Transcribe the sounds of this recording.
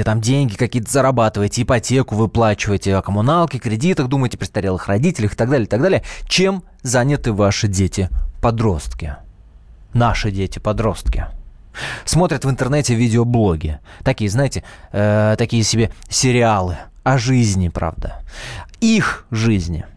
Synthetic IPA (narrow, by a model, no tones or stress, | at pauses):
ɪt̪amdʲenʲɡʲɪkɐkʲijət̪əzəɾɐbat̪ɨvəjtʲɪɪpɐtʲe̞kʊvɨplˠat͡ɕɪvəjtʲɪɐkəmʊnalˠkʲɪkɾʲɪdʲit̪əxd̪uməjtʲɪ̥pɾʲɪt̪st̪ɐɾʲelˠɨxrɐdʲitʲɪlʲɪxɨ̥t̪aɡ̚d̪alʲɪjɪt̪aɡ̚d̪alʲɪjət͡ɕem | zanʲɪt̪ɨvaʂɨdʲetʲɪpɐd̪ɾo̞st̪kʲɪ | naʂɨdʲetʲɪpɐd̪ɾo̞st̪kʲɪ̰ | smo̞t̪ɾʲɪt̪vɨnt̪ərnɛtʲɪvʲidʲɪoblˠo̞ɡʲɪt̪ɐkʲijəznaɪtʲɪət̪ɐkʲijəsʲɪbʲesʲɪɾʲɪalˠɨ | ɐʐɨzʲnʲɪpɾa̰vd̪ə | ixʐɨzʲnʲɪ̰